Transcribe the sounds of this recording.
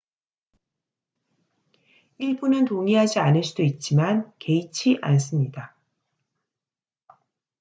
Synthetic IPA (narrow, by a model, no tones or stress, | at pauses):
iɭbunɯntoŋiɦad͡ʑianɯɭs͈ʰid̥oit̚t͡ɕ͈imanke̞it͡ɕʰiʔa̰ns̬͈ɯmɲida